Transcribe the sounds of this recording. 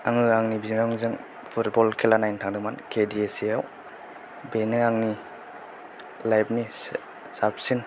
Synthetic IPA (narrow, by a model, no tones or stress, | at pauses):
aŋɯaŋnibizŋaŋzɯŋ | pʰutbɔlkʰelanajntʰaŋdɯmankʰediesijaw | benɯaŋni | lajb̚ni | sap̚sin